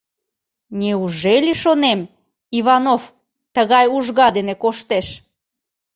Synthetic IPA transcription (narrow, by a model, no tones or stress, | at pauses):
nʲeuʒelʲiʃonem | iβɑnof | t̪əɣɑjuʒɣɑd̪enekoʃt̪eʃ